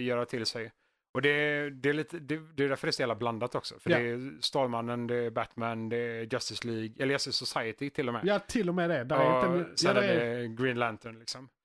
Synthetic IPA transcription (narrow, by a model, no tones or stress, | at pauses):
jœːɾat̪ʰɪlsɛj | ɔd̪ɛd̪ɛːliːt̪əd̪ɛd̪ɛɛdæɾfœɾɛst̪ɛhɛːlabland̪at̪ɔksɔ̰fœɾɛst̪ɑːlmanːənd̪ɛːbæt̪mænd̪ɛd͡ʒast̪ɪsliːɡɛləjast̪ɪsʊsajət̪ɪt̪ʰɪlːɔmɛ̰ːjt̪ʰɪlːɔmɛd̪ɛd̪sd̪aɛɡɾiːnlænt̪ɔnlɪksɔm